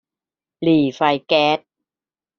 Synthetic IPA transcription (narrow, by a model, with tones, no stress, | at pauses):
liː˨˩fa˧jkɛː˦˥t̪̚